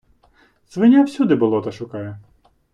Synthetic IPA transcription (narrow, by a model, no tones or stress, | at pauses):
zʋɪnʲawsʲud̪ɪbʊlˠɔt̪ɐʃʊkɑjɛ